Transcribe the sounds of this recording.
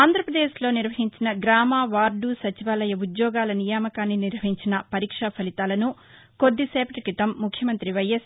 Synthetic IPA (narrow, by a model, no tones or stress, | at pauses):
aːnd̪ʱɾɐpɾɐd̪eːʃlo̞ːniɾʋɐɦiɲt͡ʃinɐɡɾaːmaːʋaːɾɖusɐt͡ʃiʋaːlɐjɐud̪jɔːɡaːlɐnijaːmɐkaːnːiniɾʋɐɦiɲt͡ʃinɐpɐɾiːkʂapʰɐlit̪aːlɐnu | ko̞d̪ːiseːpɐʈikɾit̪ɐmːukʰjɐmɐnt̪ɾiʋɐjːɐs